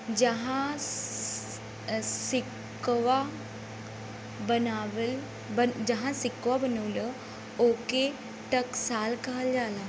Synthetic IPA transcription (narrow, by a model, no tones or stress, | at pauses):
d͡ʒəɦã | sɪk | ʋa | bənaʋl | bəd͡ʒɐɦãsɪkʋabənəʋlə | oːke | ʈɐksaːlkɐɦəld͡ʒaːlaː